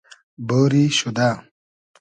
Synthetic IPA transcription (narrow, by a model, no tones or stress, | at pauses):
boːɾiʃud̪a